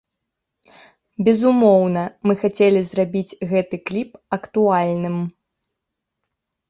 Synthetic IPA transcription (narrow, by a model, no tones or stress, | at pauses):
bʲɛzumɔwnɐmɨxat͡sʲelʲizrabʲid͡zʲɣɛt̪ɨklʲipɐkt̪ualʲnɨm